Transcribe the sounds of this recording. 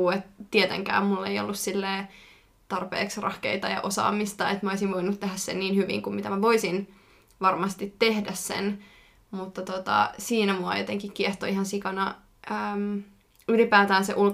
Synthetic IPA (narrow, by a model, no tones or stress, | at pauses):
et̪t̪iet̪ḛŋkæ̰ːmmulːeio̰lːussilːeː | t̪ɑrpḛːksrɑ̰hkḛit̪ɑjɑ̰ʔosɑ̰ːmist̪ɑet̪mæoisiʋʋoinut̪t̪eɦæssḛnniːnhyʋḭŋkummit̪æmæʋoisin | ʋɑrmɑst̪it̪ːehdæssḛn | mut̪ːɑt̪ot̪ɑ̰siːnæmuɑ̰jot̪eŋkikkieht̪oiɦɑnsikɑnɑ | ʔəːm | ylipæːt̪æːnseʔul